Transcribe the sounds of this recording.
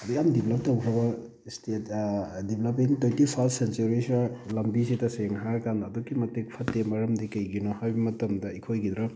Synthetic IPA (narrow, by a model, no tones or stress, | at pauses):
ɐdujamdipʰlɐp̚tɐwkʰɐbɐ | stetdiplɐpiŋtetipʰasent͡ʃuɾisalɐmbisitɐseŋɦakanɐdɔkːimɐtek̚pʰɐtːemɐɾɐmdikɐjɡinɔhajbɐmɐtɐmdɐikʰojɡid̪ɾɐ